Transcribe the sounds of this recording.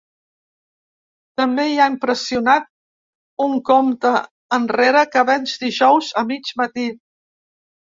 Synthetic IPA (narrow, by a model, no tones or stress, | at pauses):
t̪əmbeiaimpɾəsiunat̪̚ | uŋkomt̪əː | nreɾəkəβɛnzd̪iʒɔwzəmid͡ʒmət̪i